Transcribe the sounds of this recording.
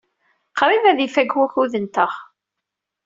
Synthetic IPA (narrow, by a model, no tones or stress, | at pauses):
qɾˤivæðifæɡwæçuðənt̪əχ